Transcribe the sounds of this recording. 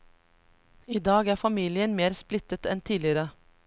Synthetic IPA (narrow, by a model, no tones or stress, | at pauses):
iːd̪ɑːɡæːfɑmiːlɪənmeːɾsplɪt̪ət̪ɛnt̪ʰiːlɪəɾə